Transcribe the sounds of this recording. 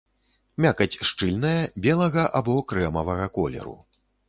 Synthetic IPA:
mʲakɐt͡sʲʂt͡ʂɨlʲnɐjɐbʲɛlˠɐɣɐʔabɔkɾɛmɐvɐɣɐkɔlʲɛ̰ɾṵ

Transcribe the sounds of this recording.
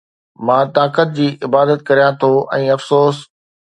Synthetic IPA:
mãːt̪aːkət̪̚d͡ʑiːʔɪbaːd̪ət̪̚kɐɾijãt̪ʰoʔɛ̃ːɐfsoːs

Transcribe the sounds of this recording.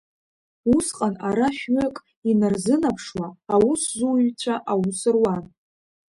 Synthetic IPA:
usqʼanaɾaʃᶣɥakʼ | inɨrzɨnapʰʂwaːwʊszuɥt͡ɕʷʰaʔawusɨrwan

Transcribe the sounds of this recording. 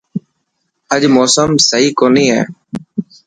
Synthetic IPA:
əʄmoːsəmsəɦiːkoːniːɦɛ̰ː

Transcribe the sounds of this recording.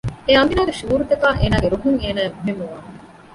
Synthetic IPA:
eɐmbinaːɡeʃuːɾut̪ɐkaːʔeːnaːɡeɾuɦuŋeːnæːemuɦemːuʋaː

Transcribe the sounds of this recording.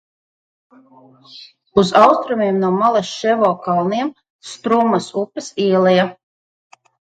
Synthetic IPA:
uzawst̪ɾumiɛmnuɔmalˠasʃɛvɔːkalˠniɛm | st̪ɾumːasupːɨsiɛlˠɛja

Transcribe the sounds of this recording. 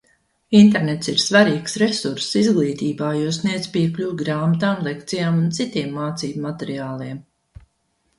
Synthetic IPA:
int̪eɾnɛt̪siɾsvaɾiːksɾesuɾsːizɡlˠiːt̪iːbaːjuɔsniɛd̪zpiɛklʲuwɡɾaːmat̪aːmlˠɛkt̪sijaːmunt̪sit̪iɛmːaːt̪siːbmːat̪eɾiaːlˠiɛm

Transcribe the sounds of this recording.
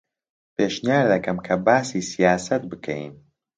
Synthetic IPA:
peːʃnijaːɾd̪ɐkɐmkʰɐbaːsiːsijaːsɐt̪̚bɨkʰɛ̰j̰n

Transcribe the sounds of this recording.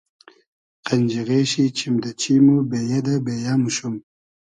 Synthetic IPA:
qand͡ʒiɣeʃit͡ʃʰimd̪at͡ʃimubejad̪abejamuʃum

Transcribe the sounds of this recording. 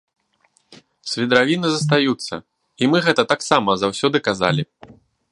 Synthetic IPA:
sʲvʲid̪ɾavʲinɨzɐs̬t̪ajut̪sːɐ̰ | imɨɣɛt̪ɐt̪aksamɐzawsʲɔd̪ɨkaza̰lʲi

